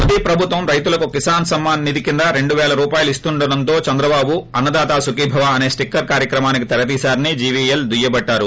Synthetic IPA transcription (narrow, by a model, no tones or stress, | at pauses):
pɐd̪iːpɾɐbʱut̪ʋɐmɾɐjt̪ulɐkukisaːnsɐmːaːnːid̪ikind̪ɐɾe̞ɳɖuʋɛːlɐɾuːpaːjulist̪uɳɖɐɽɐnt̪o̞ːt͡ʃɐnd̪ɾɐbaːbuɐnːɐd̪aːt̪aːsukiːbʱɐʋaɐne̞ːsʈikːɐɾkaːɾjɐkɾɐmaːnikit̪ɛɾɐd̪iːsaːɾɐnid͡ʒiːʋield̪ujɐbɐʈːaːɾu